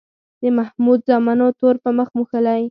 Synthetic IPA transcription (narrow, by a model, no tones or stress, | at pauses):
d̪əmahmud̪̚zɑmɑnot̪oɾpəməxmuxəlaj